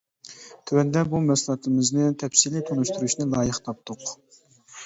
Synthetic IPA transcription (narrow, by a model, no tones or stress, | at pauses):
t̪ʰywɛnd̪ɛbumɛslˠɑt̪ɨmɪznɪt̪ʰɛpsilit̪ʰonuʃt̪ʰuɾuʃnɨlˠɑːjəχt̪ʰɑp̚t̪ʰʊq